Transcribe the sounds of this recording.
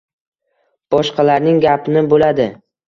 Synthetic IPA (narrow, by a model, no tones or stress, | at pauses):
b̥ɒʃqɑlaɾnɪŋɡʲapnɪbolad̪ɪ